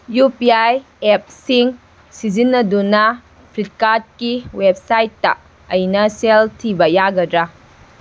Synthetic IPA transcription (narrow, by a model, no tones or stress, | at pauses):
jupiaj | ep̚siŋ | sizinːɐdunɐ | pʰɾit̚kaɾt̚kiwep̚sajtːɐ̰ː | jnɐseltʰibɐjaɡɐdɾa